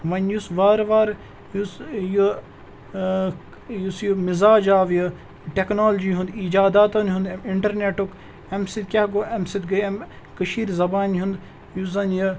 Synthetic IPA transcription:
ʋɐnjusʋaːɾʋaːɾ | jusju | jusjumɪzaːd͡ʒaːʋjɐ | ʈeknoːld͡ʒiːɦũnd̪id͡ʒaːd̪aːt̪ɐnɦũnd̪ɐmɪɳʈɐɾneːʈuk | emsid̪̚kʲaːɡoːɐmsid̪ɡɐjɐm | kəʃiːɾzɐbaːnɦund̪ | juzɐnjɐ

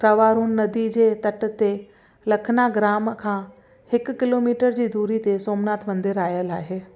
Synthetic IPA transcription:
pɾɐʋaːɾunnɐd̪id͡ʑeːt̪ɐʈt̪e | lɐkʰnaɡɾaːmkʰãː | hɪkkɪloːmiːʈəɾd͡ʑiːd̪uːɾit̪esoːmnaːt̪ʰmɐ̃nd̪ɪɾaːjəlaːɦeː

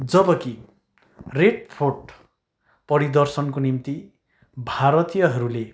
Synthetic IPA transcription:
d͡zʌbʌki | reɖ̚pʰorʈ | pʌɾid̪ʌrsʌnkonimt̪i | bʱaɾʌt̪ijʌɦʌɾule

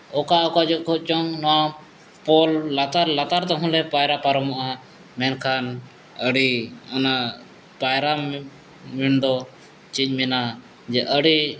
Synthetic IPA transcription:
ɔkaɔkad͡ʒɔkʰɔt͡ʃɔŋnɔwã | pɔlːat̪aɾlat̪aɾt̪ɛɦũlɛ̃pajɾapaɾɔmaʔa | mɛnkʰan | əɽiɔna | pajɾa | miɳd̪ɔ | t͡ʃid͡ʒmina | d͡ʒɛʔəɽi

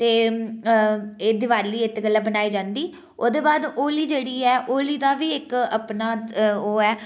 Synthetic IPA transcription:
t̪eː | eːd̪ɪʋaːɾliːɪt̪ːɡəlːaːbənaːiːd͡ʒãːnd̪iː | oːd̪eːbaːd̪oːliːd͡ʒeːɽiːɛːʔoːliːd̪aːʋiːɪkəpnaːoːɛː

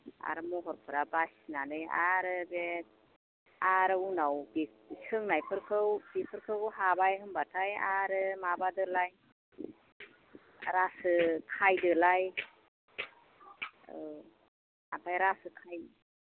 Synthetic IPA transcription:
a̰ɾɯmɔɦɔɾpʰɯɾabasinanɯja̰ɾɯbet̚ | aɾɯunawbi̥ | isʰɯŋnajpʰɯɾkʰɯwb̥ipʰɯɾkʰɯwɯɦabajɦɯmbatʰajaɾɯmabadɯlaj | ɾasɯkʰajdɯlaj | a̰pʰajɾasɯkʰaj

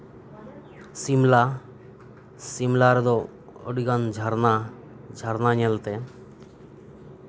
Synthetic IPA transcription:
simla | simlaɾd̪ɔ | ɔ̰ɽiɡand͡ʒʱaɾna | d͡ʒʱaɾnaɲɛlt̪ɛ

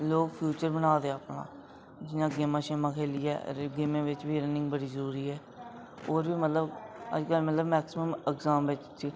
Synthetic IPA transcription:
loːɡpʰjuːt͡ʃəɾbənaːd̪eːaːpnã̰ː | d͡ʒɪnãːɡeːmãːʃeːmãːkʰeːliːɛ̰ːɾɡemẽːʋɪt͡ʃʋiːɾənɪ̃ŋɡbəɽiːzəɾuːɾiːɦɛː | oːɾʋiːmət̪ləbə̰d͡ʒkəlmət̪ləbmɛːksɪməmɪkzaːmʋɪt͡ʃt͡ʃi

